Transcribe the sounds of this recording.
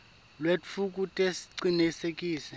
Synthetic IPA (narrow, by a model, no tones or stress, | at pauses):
lweuk̬ʼutʼesi̥ǀinisekʼiːsɛ